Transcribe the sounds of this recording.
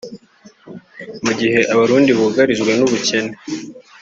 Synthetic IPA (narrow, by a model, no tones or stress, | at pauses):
muɟihe̞ʔaβaɾuːndiβuɡaɾiʒɡwe̞nuβuce̞ne